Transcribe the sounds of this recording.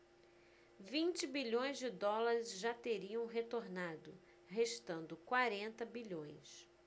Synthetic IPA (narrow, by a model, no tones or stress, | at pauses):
vĩnt͡ʃɪbiʎõj̃zd͡ʒɪd̪ɔlaɾɪzʒat̪eɾiɐ̃w̃ɦet̪oɾnad̪ʊ | ɦeʃt̪ɐ̃nd̪ʊkwaɾẽnt̪ɐbiʎõj̃s